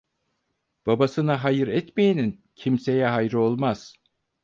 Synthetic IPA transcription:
b̥abasɯnaɦajɯɾɛt̪mejinin | cʰimse̞jɛɦajɾɯo̞lˠmaz̥

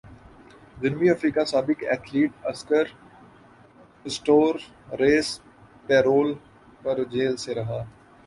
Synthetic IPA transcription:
d͡ʒɪnmiɐfɾiːkasaːbɪkɛ̰ːkʰliːɖɐskəɾ | ɪsʈoːɾː | eːs | pɛːɾoːl | pɐɾd͡ʒeːlseɾɐɦaː

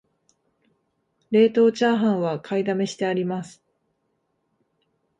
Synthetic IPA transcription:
ɾe̞ːt̪o̞ːt͡ɕaːɦãɰ̃βakʰaid̪ame̞ɕi̥t̪e̞aɾʲimasɨ̥

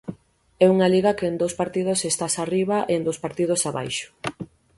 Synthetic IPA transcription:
ɛuŋaliɣɐkeend̪owspaɾt̪ið̞osest̪asariβɐʔeend̪owspaɾt̪ið̞osaβa̰jʃʊ̥

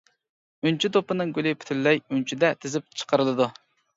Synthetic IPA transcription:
ynt͡ʃʰid̪opɨnɨŋɡʲylɪpʰy̥t̪ʰylːɛjynt͡ʃʰid̪ɛt̪ʰɪzɪp̚t͡ʃʰə̥qəɾɨlˠɨd̪u

